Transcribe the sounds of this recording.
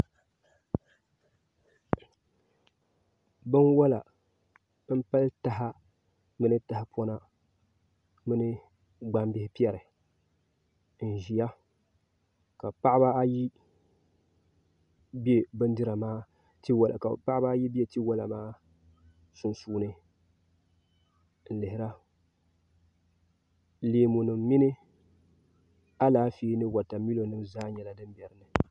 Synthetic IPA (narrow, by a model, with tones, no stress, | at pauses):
bɨ˦nwa˦la̰˨ | bɨ˦m˦pa˦lta˨ɦa˦ | mɨ˦nɨ˦ta˨hɪ˦pɔ˦na˦ | mɨ˦nɨ˦ | ɡ͡ba˦mbɪ˦hɪ˦pi˦ɛ˨ɾɨ˨ | n̩˨ʒi˨ja˦ | ka˨pa˦ʔɪ˦ba˦a˦ji˦ | bi˦e˨bɨ˦n˦dɨ˦ɾa˨maː˦ | ti˦wlka˨pa˦ʔɪ˦ba˦ji˦be˨ti˦wa˦la˨maː˦ | sʊ˨nsuː˦nɨ˨ | n̩˨lɨ˨hɪ˨ɾa˦ | leː˨˦mu˨nɨ˨m˦mi˦nɨ˦ | a˦laː˦fi˦nɨ˦wa˨ta˨mi˦lo˨nɨ˦m˦zaː˦ɲɛ˨la˦dɨ˦mbɛ˨ɾɨ˨nɨ˨